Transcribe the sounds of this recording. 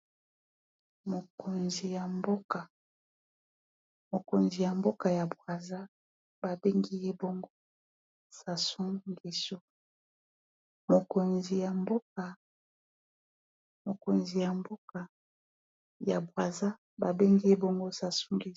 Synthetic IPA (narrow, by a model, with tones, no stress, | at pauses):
mo˨ko˨nzi˨ja˨mbo˦ka˨ | mo˨ko˨nzi˨ja˨mbo˦ka˨ja˨bwa˨za˦ | ba˨be˦ŋɡi˦je˦bo˦ŋɡo˦ | sa˨su˦ŋɡi˨so˦ | mo˨ko˨nzi˨ja˨mbo˦ka˨ | mo˨ko˨nzi˨ja˨mbo˦ka˨ | ja˨bwa˨za˦ | ba˨be˦ŋɡi˦je˦bo˦ŋɡo˦sa˨su˦ŋɡi˦˨˦